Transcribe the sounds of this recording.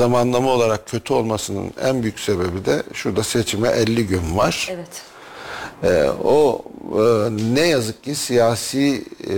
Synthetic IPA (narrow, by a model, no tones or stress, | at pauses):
amanlˠamao̞lˠaɾak̚cʰø̞t̪ʰyo̞lˠmasɯnɯ̰næ̰nbyjycʲse̞be̞bid̪ɛʃuɾd̪ase̞t͡ʃʰimɛʔɛlʲːiɟynva̰ɾ̥ɛt̪ | o | nɛjazɯk̚cisijaːsiː